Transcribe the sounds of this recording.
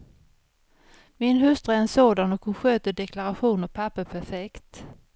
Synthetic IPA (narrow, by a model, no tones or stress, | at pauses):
mɪnɦɵst̪ɾaɛnsoːd̪anɔkʰɔɧøːt̪əɖɛklaɾaɧuːnɔpʰapːəpʰæɾfɛkt̪